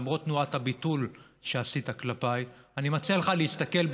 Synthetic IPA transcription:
mʁo̞t̪nuathabitul | ʃeasit̪aklapajanimat͡seleχaleist̪ake̞lb

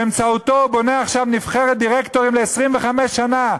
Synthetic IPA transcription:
emt͡saut̪o̞bo̞neaχʃavnifχeʁet̚d̪iʁekt̪o̞ʁimleːsʁimveχameʃːana

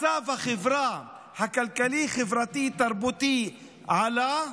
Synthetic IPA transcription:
avhaχevɾa | hakalkaliχevɾat̪it̪aɾbut̪i | ʕala

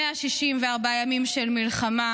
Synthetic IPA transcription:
eaʃiʃimveaʁbajamimʃelmilχama

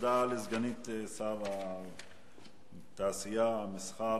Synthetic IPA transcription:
d̪aːlizɡɐnit̪esaʋa | t̪aːsijamɪsxaː

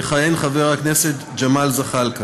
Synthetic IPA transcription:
χajenχaveʁakneset̪ | d͡ʒamalzaχalka

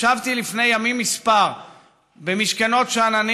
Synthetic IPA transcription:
avt̪ilifne̞jamimːispaʁ | bemiʃkano̞tʃeanani

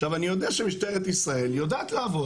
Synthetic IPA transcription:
t̪avanijo̞d̪eaʃemiʃtaeet̪isʁae̞ljo̞d̪aːt̪laavo̞

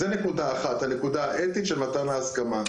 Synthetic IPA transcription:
zene̞kudaaχat̪hane̞kud̪aaʔet̪it̪ʃemat̪anaːskama

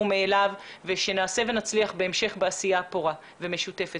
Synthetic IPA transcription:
umeːlavveʃe̞naːse̞ve̞nat͡sliaχbe̞emʃe̞χbeasijapoʁa | ve̞me̞ʃute̞fe

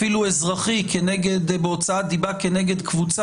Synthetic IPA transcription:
ilue̞zʁaχikeneɡed̪beo̞t͡saad̪ibakeneɡe̞d̪kvut͡s

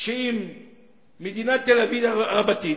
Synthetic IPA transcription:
ʃeimː | ed̪inat̪ːelavidaʁabat̪i

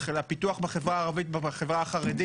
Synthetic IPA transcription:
χelapit̪uaχbaχevʁaːʁavit̪̚baaχevʁaaχaʁed̪i

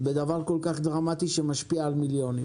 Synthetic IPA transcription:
bed̪avaʁko̞lkaχd̪ʁamat̪iʃemaʃpiaːlmiljo̞nim

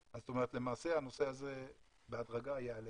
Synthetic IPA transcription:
azːot̪o̞meʁet̪le̞maːse̞hano̞se̞aze | beadʁaɡaajaale

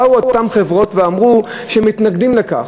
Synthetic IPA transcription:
uotamχevʁo̞tveamʁu | ʃemit̪naɡd̪imleka̰χ

